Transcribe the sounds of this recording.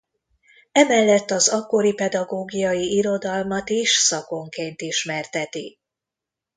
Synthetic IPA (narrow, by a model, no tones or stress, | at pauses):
ɛmɛlːɛt̪ːɒzɒkːo̞ɾipɛd̪ɒɡoːɡijɒjiiɾo̞d̪ɒlmɒt̪iʃsɒko̞ŋkeːnt̪iʃmɛrt̪ɛt̪i